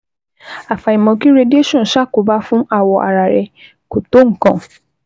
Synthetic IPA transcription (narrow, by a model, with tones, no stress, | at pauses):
a˨fa˨i˨mɔ̃˧ki˦ɾe˧di˦e˦ʃɔ̃˦˨ʃa˦˨ko˨˦ba˦fũ˦a˦˨wɔ˧ʔa̰˨ɾa˨ɾɛ˧ | ko˨to˨˦ŋ̩˨kã˨